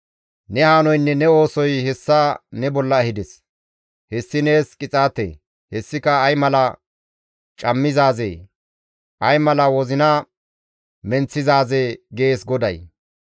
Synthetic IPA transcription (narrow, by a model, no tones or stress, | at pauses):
nɛhaːnɔjnːɛnɛo̞ːsɔjhɛsːanɛbɔlːɐːhɪd̪ɛs | hɛsːɪne̞ːskʼɪt͡sʼaːt̪ḛː | hɛsːɪkɐːjmɐlɐ | t͡ʃʼɐmːɪzaːzḛː | ʔɐjmɐlɐwɔzɪnɐ | mɛnt͡sːɪzaːzeɡe̞ːsɡɔd̪ɐj